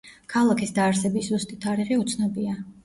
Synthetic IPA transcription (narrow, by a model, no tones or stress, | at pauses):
kʰalˠakʰisd̪aːɾsɛbiszust̪ʼit̪ʰaɾiʁɛut̪sʰnɔbia